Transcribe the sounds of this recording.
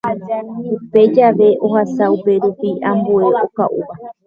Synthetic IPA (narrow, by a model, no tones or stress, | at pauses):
upe̞d͡ʒaʋe̞ʔo̞hasaupe̞ɾupiãmbue̞ʔo̞ka̰ʔṵβa